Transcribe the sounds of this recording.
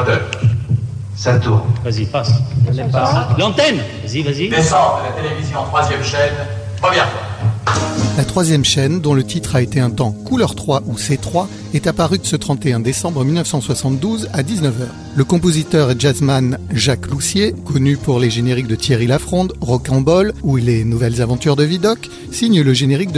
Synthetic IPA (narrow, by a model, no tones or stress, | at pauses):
t̪ø | sat̪uʁvazi | ɛalɑ̃t̪ɛn | iazid̪esɑ̃bʁəlat̪elevizjɔ̃t̪χwazjɛmʃɛn | vɔ̃bjɛ̃t̪a | lat̪χwazjɛmʃɛnd̪ɔ̃lət̪it̪χaet̪eɛ̃t̪ɑ̃kulœʁt̪χwaʔuset̪χwa | ɛt̪apaʁyd̪əsət̪χɑ̃t̪eɛ̃d̪esɑ̃bʁəmilnəfsɑ̃swasɑ̃t̪̚d̪uzad̪iznəvœːʁ | ləkɔ̃p̬ozit̪œʁɛʒazmanʒaklusjekɔnypuʁleʒeneʁik̚d̪ət̪ʰjeʁilafχɔ̃d̪ʁɔkɑ̃bɔlulenuvɛlzavɑ̃t̪yʁd̪əvid̪ɔk | siɲləʒeneʁik̚d̪